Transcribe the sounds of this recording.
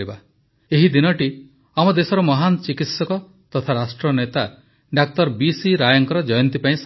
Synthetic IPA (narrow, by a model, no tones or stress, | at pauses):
iba | eɦid̪inɔʈi | amɔd̪esɔɾɔmɔɦant͡ʃikit̪sɔkɔ | t̪ɔt̪ʰaɾasʈɾɔnet̪a | ɖak̚t̪ɔɾbisiɾajɔŋkɔɾɔd͡ʒɔjɔnt̪ipaĩs